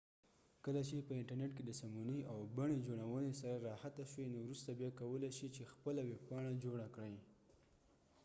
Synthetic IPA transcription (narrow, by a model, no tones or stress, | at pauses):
kəlat͡ʃepəɪɳʈaɾneʈked̪əsamunəjawbaɳ̃ed͡ʒoɽawənesaɾaɾɑhat̪aʃwenowɾust̪abjɑkawəlajʃit͡ʃexpəlaweppɑɽ̃ad͡ʒoɽakɽaj